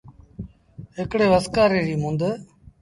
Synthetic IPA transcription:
ɦɪkɽeːʋəskaːɾeːɾiːmʊ̃nd̪ə

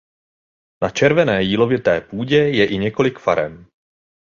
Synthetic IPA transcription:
nat͡ʃɛɾvɛnɛːjiːlo̞vɪt̪ɛːpuːɟɛjɛʔɪɲɛko̞lɪkfa̰ɾɛ̰m

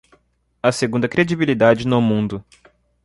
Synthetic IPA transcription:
ɐseɡũd̪ɐkɾed͡ʒibilid̪ad͡ʒɪnʊmũnd̪ʊ

